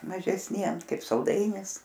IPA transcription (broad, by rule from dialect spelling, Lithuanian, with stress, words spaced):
mɐʒʲɛsʲˈnʲiɛm ˈkɐɪp sɐlˠˈdɐɪnʲɪs